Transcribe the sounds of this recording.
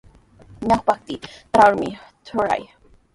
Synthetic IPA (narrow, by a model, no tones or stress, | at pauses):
ɲaxpak̚t̪it̪ɾawɾmḭ | t̪ʰuɾa̰j